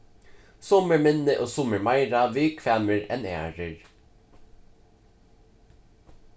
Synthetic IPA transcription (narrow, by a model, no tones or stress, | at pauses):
sɔməɹmɪnːəʔoːsʊməɹmɑɪɹɑʋɪɹkʰʋæːməɹɛnæ̰ːɹəɹ